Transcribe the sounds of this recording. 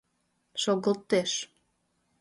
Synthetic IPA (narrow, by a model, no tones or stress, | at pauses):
ʃoɣə̆lˠt̪eʃ